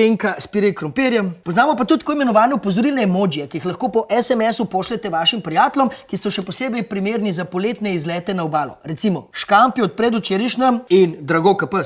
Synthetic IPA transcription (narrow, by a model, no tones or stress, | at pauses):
eŋkaspiɾikɾɔmpeɾjɛmpɔznaːmɔpat̪ut̪ːkoimɛnɔʋaːnɛupɔzɔɾilnɛmoːd͡ʒjɛkijixlɐxkoːpɔʔɛsɛmɛsupoʃlɛt̪ɛʋaʃimpɾijaːt̪ɛlɔmkisɔʃɛpɔseːbɛjpɾimeːɾnizapoleːt̪nɛizlɛːt̪ɛnaɔbaːlɔ̰ɾɛt̪simɔʃkampiɔt̪̚pɾɛd̪ut͡ʃeːɾiʃnɛmind̪ɾaɡokɐpə